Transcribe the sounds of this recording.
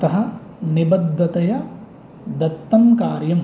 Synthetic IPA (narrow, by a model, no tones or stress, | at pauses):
ɐt̪ɐɦɐ̆ | nibɐd̪ːɐt̪ɐjɐ | d̪ɐt̪ːɐmkaːɾjɐm